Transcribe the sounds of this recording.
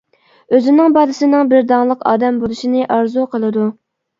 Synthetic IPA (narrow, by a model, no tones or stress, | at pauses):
øzɪnɪŋbɑːd̪ɨsɨnɪŋbɪɾd̪ɑŋlˠəqʰɑ̰ːd̪ɛmbolˠuʃinɨʔɑɾzuqʰəlˠɨd̪u